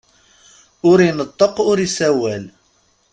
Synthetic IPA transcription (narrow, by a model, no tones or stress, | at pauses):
ʊɾinət̪ˤːəqʊɾisæwæl